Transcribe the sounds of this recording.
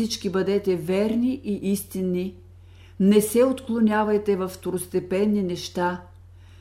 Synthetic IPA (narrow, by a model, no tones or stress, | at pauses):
it͡ʃkibɐd̪ɛt̪ɛvɛɾniʔiʔist̪inːi | nɛsɛot̪klˠonʲavɐjt̪ɛvɐfːt̪oɾost̪ɛpɛnːinɛʃt̪a